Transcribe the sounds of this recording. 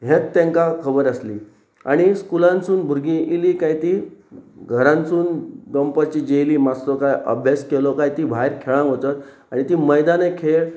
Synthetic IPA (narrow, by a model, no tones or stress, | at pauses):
ɦẽt̪t̪ːẽŋkakʰəbəɾəsliː | a̰ɽ̃iskulãnsuːnbʱuɾɡĩiliːkajt̪iːɡʱəɾãnsuːnɖəmpət͡ɕiːd͡ʑejliːmast̪ɔkajə̰bʱjaskelɔkajt̪iːbʱajɾkʰeɭãŋɦot̪at̪̚ | aɽ̃it̪iːməjd̪anekʰeɭ